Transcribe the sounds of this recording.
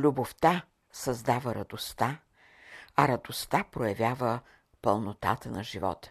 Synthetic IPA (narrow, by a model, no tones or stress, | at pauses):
lʲuboft̪a | sɐzd̪avəɾɐd̪ost̪a | ɐɾɐd̪ost̪apɾojɐvʲjavə | pəlˠnot̪a̰t̪ənɐʒivɔ̰t̪